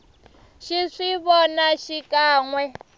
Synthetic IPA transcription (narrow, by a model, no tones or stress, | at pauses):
ʃiʂiβɔnaʃikaːŋwɛ